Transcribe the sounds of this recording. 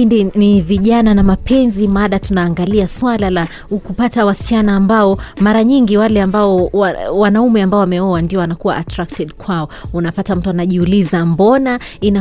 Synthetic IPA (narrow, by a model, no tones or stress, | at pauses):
indiniviʄananamapʰɛnzimaɗatunaːŋɡaliaswalala | ukupatawasi̥t͡ʃanaːmbaɔmaɾaɲiŋɡiwalɛambaɔawanaumɛambaɔwamɛɔwandiɔwanakuwaʔatɾak̚tɛɗkwaɔunapatam̩tuanaʄiulizambɔnaina